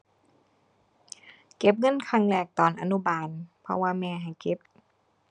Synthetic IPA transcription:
ke˧˦p̚ŋɤ˧˥˨nkʰa˧˩ŋlɛː˧˩k̚t̪ɔː˨˩nʔa̰˧nu˧˥˨baː˧˩npʰɔ̰˧waː˧mɛː˧˩ɦa˨˩jke˧˦p̚

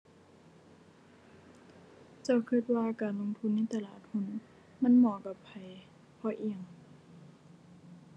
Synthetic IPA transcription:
t͡ɕa˧˩wkʰɯ˧˩t̪̚waː˧kaː˨˩nlo˧˥˨ŋt̪ʰu˧˥˨nːa˧˥˨t̪a˧laː˧˩t̪̚hu˧˨n | ma˧˥˨nmɔː˨˩˦ka˧˩pʰːa˨˩j | pʰɔː˧˩ʔi˧˩ə˨ŋ

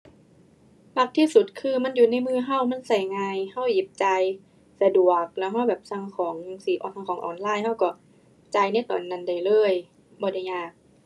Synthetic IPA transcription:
la˧˥k̚t̪ʰiː˧˥˨su˨˩t̪̚kʰɯː˧ma˧˥˨njuː˨˩na˧˥˨jmɯː˧˩ɦa˧˥˩wma˧˥˨nsa˧˨˩jŋaː˧jha˧˥˩wji˨˦p̚t͡ɕa˧j | sa˧du˨˩ək̚lɛ˧˩wɦa˧˩wbɛː˨˩p̚sa˧ŋkʰɔː˨˦ŋsiː˨˦ʔɔː˨nsa˧ŋkʰɔː˨˦ŋʔɔ̰ː˨˩˦nlaː˧˩˨jha˧˥˩wkɔ˧˩ | t͡ɕa˧jna˧˥˨jt̪ɔː˨nːa˧˩nda˨˩jlɤː˧˥˩j | bɔː˧˦da˧˩jɲaː˧˩k̚

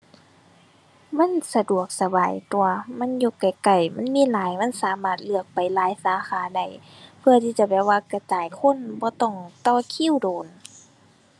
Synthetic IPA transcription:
ma˧˥˨nsa˧du˨˩ək̚sa˧baː˨jt̪u˨ɐma˧˥˨nju˧kːa˨jka˧˩jma˧˥˨nmiː˧˥˨laː˨˦jma˧˥˨nsaː˨˦maː˧˩t̪̚lɯ˧˩ək̚pa˨˩jlaː˨˦jsaː˨˦xaː˨˦da˧˩j | pʰɯ˧ɐt̪ʰiː˧˥t͡ɕa˧˩˦bɛː˧˩waː˧˨ka˧t͡ɕaː˨˦jkʰo˧˥˨nbɔː˧˦t̪ɔ˧˩˨ŋt̪ɔː˧˩kʰi˧˥˨wdoː˨n

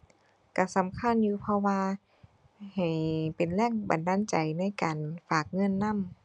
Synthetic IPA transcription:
ka˧˩sa˨˦mkʰa˧˥˨njuː˧pʰɔ˧waː˧ | ha˨˩jpe˨˩nlɛː˧˥˨ŋba˨ndaː˧˥˨nt͡ɕa˨˩jna˧˥˨jkaː˨˩nfaː˨˩k̚ŋɤ˧˥˨nːa˧˥˨m

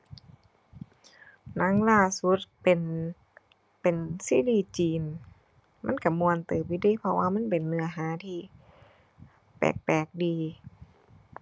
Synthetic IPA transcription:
na˧˥˨ŋlaː˧˩su˧˦t̪̚pe˨n | pe˨˩nsiː˧˩˨liː˧˩t͡ɕiː˨˩n | ma˧˥˨nka˧˩mu˧ənt̪ɤː˨˩pːi˧˩diː˧˥˨pʰɔ˧waː˧ma˧˥˨npe˨˩nːɯ˧˨ɐɦaː˨˦t̪ʰiː˧ | pɛ̰ː˨˩k̚pɛː˨˩k̚diː˧

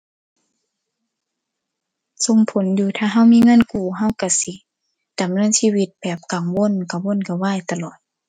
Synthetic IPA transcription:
so˧˩ŋpʰo˨˦njuː˧t̪ʰaː˧˩ɦa˧˥˨wmiː˧˥˨ŋɤ˧˥˨nkuː˧˩ɦa˧˥˨wka˧˩si˧˦ | da˨˦mnɤː˧˥˨nsiː˧˨wi˧˦t̪̚bɛː˨˩p̚ka˨˩ŋwo˧˥˨nka˨˧˩wo˧˥˨nka˧waː˧˥˨jt̪a˧lɔː˨˩t̪̚

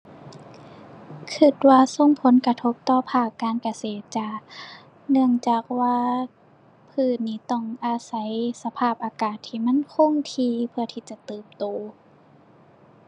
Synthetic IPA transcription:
kʰɯ˧˩t̪̚waː˧so˧˥˨ŋpʰo˨˦nka˧t̪ʰo˧˦˥p̚t̪ɔː˧pʰaː˧˩kːaː˧˨nka˧seː˨˩t̪̚t͡ɕa˧˩ | nɯ˧˩əŋt͡ɕaː˨˩k̚waː˧ | pʰɯː˧˩niː˧˩t̪ɔ˧˩ŋʔa˧sa˧˦jsa˧pʰaː˧˩p̚ʔaː˧kaː˨˩t̪ʰːiː˧˩ma˧˥˨nkʰo˧˥˨ŋt̪ʰiː˧pʰɯ˧ɐt̪ʰiː˧˩t͡ɕa˧˩t̪ɯː˨˩mt̪oː˨˩˦

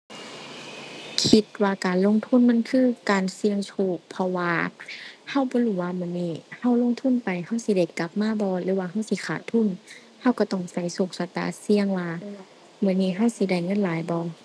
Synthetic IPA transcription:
kʰi˧t̪̚waː˧kaː˨nlo˧˥˨ŋt̪ʰu˧˥˨nma˧˥˨nkʰɯː˧˥˨kaː˨nsi˧əŋsʰuː˧˩pʰɔ˧waː˧ | ha˧˩˨wbɔː˧˦lhuː˧˩waː˧˨mɯ˧əniː˧˩ha˧˥˩wlo˧˨ŋt̪ʰu˧˥˨npa˨jha˧˩˨wsi˧˦da˧˩jka˧˦p̚maː˧˥˨bɔː˧lɯː˧˦waː˧ha˧˥˨wsi˧˦kʰaː˧˩t̪ʰu˧˥˨n | ha˧˥˨wka˧˩t̪ɔ˧˩ŋsa˧˩jsu˧˩k̚sa˧˦t̪a̰ː˧˩si˧əŋwaː˧ | mɯ˧˩˨niː˧˨ɦa˧˥˨wsi˧˦da˧˩jŋɤ˧˥˨nlaː˨˦jbɔː˧˦

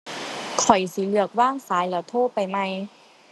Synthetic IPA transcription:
kʰɔ˨˩jsi˧˦lɯ˧˩ək̚waː˥˩ŋsaː˨˦jlɯː˧˦t̪ʰoː˥˩pa˧˨jma˧j

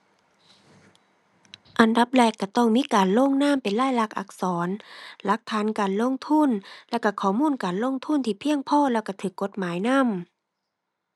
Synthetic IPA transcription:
ʔa˨˩nda˧˦p̚lɛː˧˩kːa˧˩t̪ɔ˧˩ŋmiː˧˥˨kaː˨nloː˧˥˨ŋnaː˧˥˨mpe˨nlaː˧˥˨jla˧˥k̚ʔa̰˧˦k̚sɔː˩˦nla˧˦k̚t̪ʰaː˨˦˥nkaː˨nlo˧˥˨ŋt̪ʰu˧˥˨nlɛː˧˩wka˧˩kʰɔː˨˩muː˧˥˨nkaː˨nlo˧˥˨ŋt̪ʰu˧˥˨nt̪ʰiː˧˩pʰi˧˥˨əŋpʰɔː˧˨lɛː˧˩wka˧˩t̪ʰɯː˧˩kːo˧˦t̪̚maː˨˦jna˧˥˨m

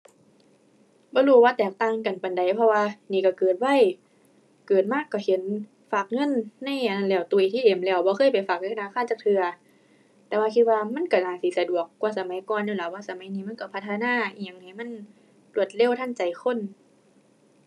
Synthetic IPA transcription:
bɔː˧˦luː˧˩waː˧˨t̪ɛː˨˩k̚t̪aː˧˩˨ŋka˨˩npa˨nda˨˩jpʰɔ˧waː˧niː˧˩ka˧˩kɤː˨˩t̪̚wa˧˨j | kɤː˨˩t̪̚maː˧˥˨kːa˧˩he˨˦n | faː˨˩k̚ŋɤ˧˥˨nːa˧˥˨ja˧˨na˧˨lɛː˧˩˨wt̪u˧˨ʔi˧t̪ʰiː˧˨e˨˩˦mlɛː˧˩˨wbɔː˧˦xʰɤː˧˥˨jpa˨˩jfaː˨˩k̚a˧naː˧˥˨kaː˧˥˨t͡ɕaː˧˩k̚t̪ʰɯ˧ɐ | t̪ɛː˧waː˧kʰi˧t̪̚waː˧ma˧˥˨nka˧˩naː˧˩si˨˦sa˧du˨˩əkːwaː˧sa˨˧˦ma˨˦jkɔː˧˨njuː˧˩la˧˦waː˧˨sa˨˧˦ma˨˦jniː˧˩ma˧˥˨nka˧˩pʰa˧t̪ʰːa˧naː˧˥˨a˨˩˨ŋna˧˩jma˧˥˨n | lu˧˩ət̪̚le˧˨wt̪ʰa˧˥˨nt͡ɕa˨˩jxʰo˧˥˨n

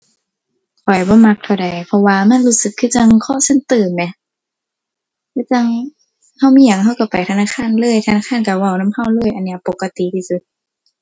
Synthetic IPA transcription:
kʰɔ˨˩jbɔː˧˦ma˧k̚t̪ʰa˧˩wda˨˩jpʰɔ˧waː˧ma˧˥˨nluː˧˨sɯ˧˦kʰːɯː˧˥˨t͡ɕa˧˨ŋkʰɔː˧˥˨se˧˥˨nt̪ɯː˨˩mnɛ˧˩ | kɯː˧˥˨t͡ɕa˧ŋ | ha˧˥˩wmiː˧˥˨ja˨˩ŋɦa˧˥˩wka˧˩pa˨jt̪ʰa˧naː˧˥˨kʰaː˧˥˨nlɤː˧˩˨jt̪ʰa˧naː˧˥˨aː˧˥˨nka˧˩wa˧˩wna˧˥˨mha˧˩wlɤː˧˥˨jʔa˨nːi˧ɐ˨po˧˦kːa˧t̪i˨t̪ʰiː˧˨su˧˦t̪̚

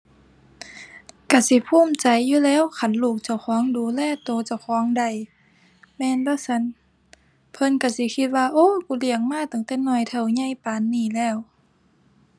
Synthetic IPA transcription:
ka˧˩si˧˦pʰuː˧˥˨mt͡ɕa˨jːuː˧˨lɛː˧˥˨wkʰa˧˩nluː˧˩k̚t͡ɕa˧˩wxʰɔː˧˥˦ŋduː˨˦lɛː˧˩˨t̪oː˧˦t͡ɕa˧˩wxʰɔː˨˧˦ŋda˧˩j | mɛː˧˥˨nbaː˧˨sa˧˥˨n | pʰɤ˧˥˨nka˧˩si˧˦kʰi˧t̪̚waː˧ʔoː˧˥˨kuː˧˦li˧˩˨əŋ̚maː˧˥˨t̪a˨˩˦ŋt̪ɛː˧˩nɔ˧˩˨jt̪ʰa˧˩wɲa˧˩˨jpaː˨nːiː˧˩˨lɛː˧˩˨w

